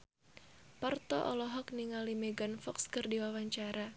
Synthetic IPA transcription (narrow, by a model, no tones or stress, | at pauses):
pərt̪ɔʔɔlɔɦɔkniŋalimɛɡanfɔkskɨrdiwawaɲt͡ʃaɾa